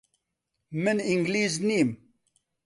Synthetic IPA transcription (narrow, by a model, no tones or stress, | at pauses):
mɨniŋɡliːzniːm